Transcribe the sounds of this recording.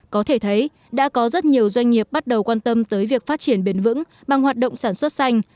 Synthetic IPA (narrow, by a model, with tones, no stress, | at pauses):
kɔ˨˦t̪ʰe˧˩t̪ʰə˨˦j | ɗa̰ː˧˥kɔ˨˦zə˦˥t̚ɲi˨˩əwzwa˧jŋ̟ŋi˨˩əp̚ɓa˦˥t̚ɗə˨˩wkwaː˧nt̪ə˧mt̪əː˨˦jvi˨˩ək̚faː˦˥t̚t͡ɕi˧˩ənɓe˨˦nvɨ̰˧˥ŋ | ɓa˨˩ŋhwaː˨˩t̚ɗo̰˧˨ŋ͡msaː˧˩nswə˦˥t̚sa˧jŋ̟